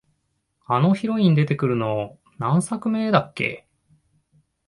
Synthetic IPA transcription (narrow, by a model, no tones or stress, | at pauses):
ano̞çiɾo̞ĩɲʲd̪e̞t̪e̞kɯ̟ɾɯ̟no̞ | nãɰ̃sakɯ̟me̞ːd̪akːe̞̰